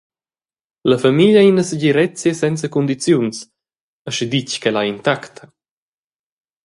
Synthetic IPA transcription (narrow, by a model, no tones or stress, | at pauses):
ləfamiʎainəsəɟiɾɛt͡sjəsɛnt͡səkund̪it͡sjuns | əʃid̪ickɛlaint̪akt̪ʰə